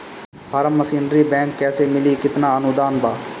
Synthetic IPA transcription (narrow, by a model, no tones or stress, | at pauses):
paːɾəmːəsiːnɾiːbɛ̃ːŋkːɛːseːmɪliːkɪt̪naːənʊd̪aːnbaː